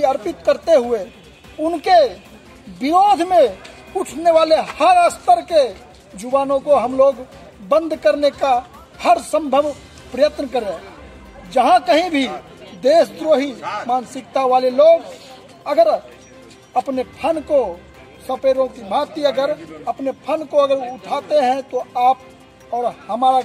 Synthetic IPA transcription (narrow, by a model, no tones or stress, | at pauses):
iɐɾpɪt̪kəɾt̪eɦʊe | ʊnke | bɪɾoːd̪ʱmẽ | ʊʈʰneʋaːlehəɾəst̪əɾke | d͡ʒʊʋaːnõkoɦɐmloːɡ | bə̃nd̪ʱkəɾneka | həɾsə̃mbʱəʋ | pɾəjət̪nəkəɾe | d͡ʒɐɦãkəɦĩbʱi | d̪eːsd̪ɾoːɦimaːnsɪkt̪aʋaːleloːɡ | ɐɡəɾ | ɐpnepʰənko | sɐpeːɾõkimaːt̪iɐɡəɾɐpnepʰənkoɐɡəɾʊʈʰaːt̪eɦɛ̃t̪oaːp̚ | ɔːɾhɐmaːɾa